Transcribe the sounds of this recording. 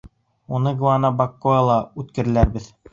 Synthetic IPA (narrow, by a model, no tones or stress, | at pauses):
unɤɡuɑnɑbɑkːoɑlˠɑʉt̪kɘ̆ɾɘ̆læɾbɘð